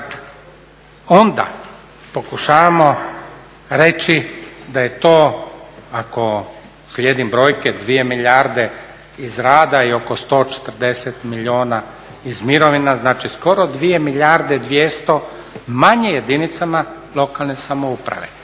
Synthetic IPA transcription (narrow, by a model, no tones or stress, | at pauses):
o̞nd̪a̰ | po̞kuʃaːʋamo̞ | ɾe̞t͡ʃid̪aje̞t̪oː | ako̞ | slʲje̞d̪imbɾo̞ːjked̪ʋie̞miʎʲaɾd̪e̞ | izɾaːd̪aio̞ko̞st̪o̞ːt͡ʃe̥t̪ɾd̪e̞set̪milioːna | izmiɾoʋinaznaːt͡ʃisko̞ɾo̞d̪ʋije̞miʎʲaɾd̪e̞d̪ʋjest̪o̞ | maɲejed̪init̪sama | lˠo̞kalˠne̞samo̞upɾa̰ʋḛ